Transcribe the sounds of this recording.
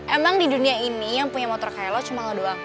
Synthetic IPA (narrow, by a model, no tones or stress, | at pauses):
ʔemaŋdiduniainijaŋpuɲamɔt̪ɔrkaɛlɔt͡ʃumaŋodoaŋ